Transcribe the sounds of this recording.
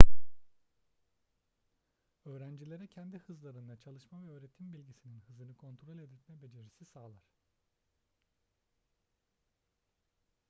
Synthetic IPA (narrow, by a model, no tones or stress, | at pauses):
ø̞ːɾænd͡ʒilʲe̞ɾɛcʰɛnd̪ihɯzlˠaɾɯnd̪at͡ʃʰalˠɯʃmavɛøːɾe̞t̪ʰimbilʲɟisininhɯzɯnɯkʰo̞nt̪ɾo̞lʲe̞d̪it̪mɛbe̞d͡ʒe̞ɾisisaːlˠaɾ̥